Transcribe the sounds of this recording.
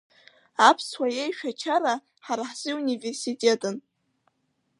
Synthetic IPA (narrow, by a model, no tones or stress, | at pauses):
apʰswajejʃᶣat͡ʃʰaɾa | ħaɾaħz̥ɨunive̞rsitʼe̞tʼɨn